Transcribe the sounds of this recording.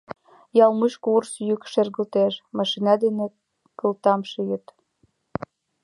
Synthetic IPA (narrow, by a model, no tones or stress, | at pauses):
jɑlmuʃkursjykʃerɣə̆lt̪eʃmɑʃinɑd̪ene | kə̆lt̪ɑmʃijət̪